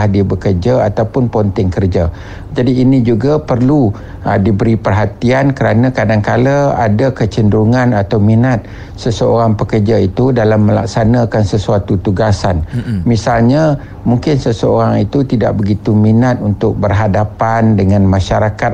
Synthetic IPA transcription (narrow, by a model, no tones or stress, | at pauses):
hdiabəkərd͡ʒaat̪awpʊnpont̪ɪŋkərd͡ʒa | d͡ʒadiːnid͡ʒuɡapərlu | dibəɾipərɦat̪iankəɾanãkadaŋkalaadakət͡ʃəndɾuŋãnat̪awminat̪̚ | səsəoɾaŋpəkərd͡ʒait̪udalamːə̃la̰k̚sanãkansəsuat̪ut̪uɡasanmisalɲa | muŋkɪnsəsəoɾaŋit̪ut̪ida̰ʔ̚bəɡit̪uminat̪̚unt̪ʊk̚bərɦadapandəŋãnmãʃaɾakat̪